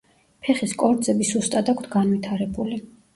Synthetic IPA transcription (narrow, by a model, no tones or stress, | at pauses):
pʰɛχiskʼɔɾd̪zɛbisust̪ʼad̪akʷʰt̪ʰɡanvit̪ʰaɾɛbuli